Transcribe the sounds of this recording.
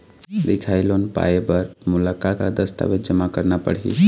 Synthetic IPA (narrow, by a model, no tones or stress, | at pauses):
d̪ikʰajlonpa̰ebəɾmuləkakad̪əst̪a̰bed͡ʒəmakəɾnapə̰ɽɦḭ